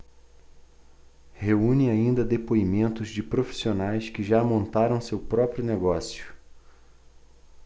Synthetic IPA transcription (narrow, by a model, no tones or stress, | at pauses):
heũnĩaĩnd̪ɐd̪epoimẽnt̪ʊzd͡ʒɪpɾofi̥sionajskɪʒamõnt̪aɾɐ̃w̃sewpɾɔpɾjʊneɡɔsjʊ̥